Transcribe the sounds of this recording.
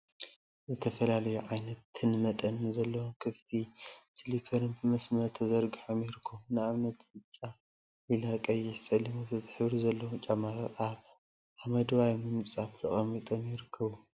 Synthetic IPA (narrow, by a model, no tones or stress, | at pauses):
zɨt̪ʰɐfɐlalɐjuʕajnɐt̪ːɨnmɐt̪ʼɐnzɐlːɐwokʰɨft̪ʰislipʰɐɾɨnbɨmɐsmɐɾt̪ʰɐzɐɾɡiħomjɪɾɨkʰːomunɨaβnɐt̪ʰhɨt͡ʃʼːa | ilakʼɐjɪħt͡sʼɐlimozɐt̪ʰɨħɨβɾizɐlːɐwt͡ʃʼamataaβ | ʕamɐd̪wajmɨnsʼaft̪ʰɐχʼɐmːit̪ʼomjɪɾɨkʰːɐβu